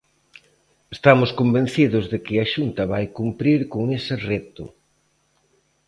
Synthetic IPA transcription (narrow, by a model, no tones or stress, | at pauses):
est̪amʊskombẽn̟θiðʊzðɪkɪaʃunt̪ɐβajkumpɾiɾkoŋesɪret̪ʊ̰